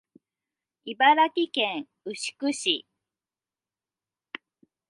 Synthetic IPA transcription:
ibaɾakʲikẽɰ̃ | ɯ̟ɕi̥kɯ̟ɕi

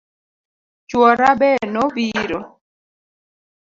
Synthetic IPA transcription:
t͡ʃwɔɾabɛnɔbiɾɔ

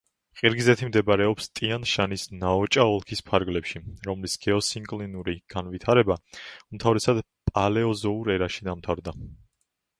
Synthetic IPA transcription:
qʼiɾɡizɛt̪ʰimd̪ɛbaɾɛɔpst̪ʼianʃanisnaɔt͡ʃʼaɔlˠkʰispʰaɾɡlɛpʃiɾɔmlisɡ̥ɛɔsiŋkʼlinuɾiɡ̥anvit̪ʰaɾɛbaumt̪ʰavɾɛsad̪ | pʼalɛɔzɔuɾɛɾaʃid̪amt̪ʰavɾd̪a

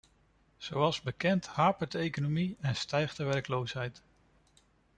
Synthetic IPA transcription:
z̥owɑlˠzbəkɛnthaːpədəejkonomiɛnstɛjχdəʋɛrklowsɦɛjt

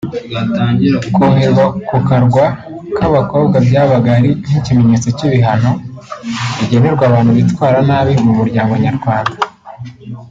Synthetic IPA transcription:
jataːɲɟiɾaukomeɾɡakukaɾɡwa | kaβako̞ːbɡabjaβaɡaɾin̥icime̞ɲe̞t͡so̞ciβiɦano | βiɟe̞ne̞ɾɡwaβaːn̥uβitwaːɾanaːβimumuɾɟaːŋɡaɲaɾɡwaːnda

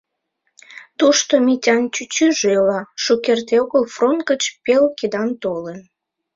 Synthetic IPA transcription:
t̪uʃt̪omitʲɑnt͡ɕyt͡ɕyʒelɑʃukert̪eoɣəlfront̪̚ɡət͡ɕpelked̪ɑnt̪olen

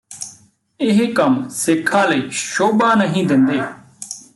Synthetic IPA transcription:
ɪɦkəmsɪkʰːãːləiːʃoːbaːnəɦĩːd̪ɪnd̪eː

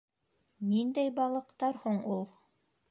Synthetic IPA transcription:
nind̪æjbɑlˠɤ̆qt̪ɑɾhuɴulˠ

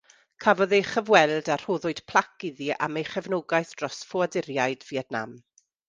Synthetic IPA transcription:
kʰavɔðeχəvwɛlˠdar̥oːðʊɨd̥pʰl̥ˠakɪðiʔa̰mejχɛvnoːɡajθd̥rɔsfɔadɪɾjajdviɛdna̰m

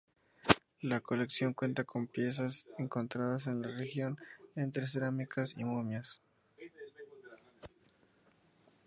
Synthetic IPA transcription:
lako̞le̞ksjo̞ŋkwe̞nt̪akʰo̞mpje̞s̬aseŋko̞nt̪ɾaðase̞nlare̞xjo̞nent̪ɾes̬eɾamikʰasḭmomjas

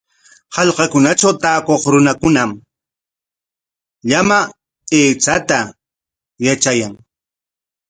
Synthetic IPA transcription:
hɑʎqɑkʊnat͡ʃawt̪aːkoχɾʊnakʊnam | ʎama | eːt͡sat̪a | jat͡ʃajaŋ

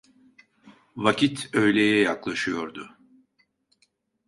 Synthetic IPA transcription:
vacʰit̪ø̞jlʲejɛjaklˠaʃɯjo̞ɾd̪ʊ

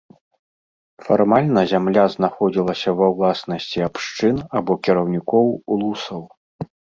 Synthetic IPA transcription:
farmalʲnɐzʲamlʲaznaxɔd͡zʲilˠɐsʲɐvɐwlˠasnɐsʲt͡sʲiapʂt͡ʂɨnabɔkʲiɾɐwnʲikɔwlˠusɐw

